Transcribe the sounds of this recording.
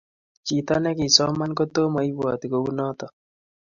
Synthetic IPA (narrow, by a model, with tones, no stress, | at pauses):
t͡ʃi˨t̪a˦nɛ˦ki˨sɔ˦ma˦nko˦t̪o˦ma˨i˦bɔ̰˨t̪i˨ko˨u˦nɔ˦t̪ɔ˨